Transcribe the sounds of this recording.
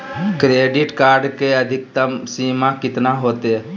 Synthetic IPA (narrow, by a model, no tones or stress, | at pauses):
kɾeːɖɪʈkaːɾɖkeəd̪ʱɪk̚t̪əmsiːmakɪt̪naɦoːt̪e